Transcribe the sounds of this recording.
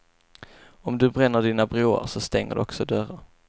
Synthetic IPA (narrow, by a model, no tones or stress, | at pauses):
ɔmd̪ɵbɾɛnːəɖiːnabɾuːa̰ɾsɔst̪ɛŋːə̰ɖɵ̰ɔksɔd̪œɾaɾ